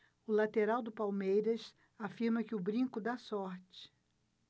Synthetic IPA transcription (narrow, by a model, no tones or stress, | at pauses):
ʊlat̪eɾawd̪ʊpawmejɾɐs | afiɾmɐkɪʊbɾĩŋkʊd̪asɔɾt͡ʃɪ̥